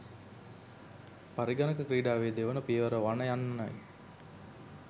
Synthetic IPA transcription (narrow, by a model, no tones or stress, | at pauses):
pɐɾiɡɐnɐkɐkɾiːɖaːʋeːd̪eʋɐnɐpijɐʋɐɾɐʋanɐjanːɐnɐj